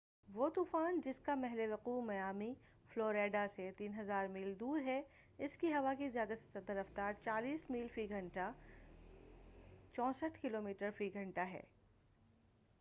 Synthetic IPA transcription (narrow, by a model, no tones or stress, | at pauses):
ʋoːt̪uːfaːnd͡ʒɪskamɛɦleʋɐquːmɐjaːmi | floːɾeːɖaset̪iːnɦɐzaːɾmiːld̪uːɾɦɛ | ɪskiɦɐʋakizijaːd̪ase̥sɐd̪əɾɐft̪aːɾt͡ʃaːliːsmiːlfɾiːɡʱɐ̃ɳʈa | t͡ʃɔ̃ːsəʈʰkɪloːmiːʈəɾfɾiːɡʱɐ̃ɳʈaɦɛ̰ː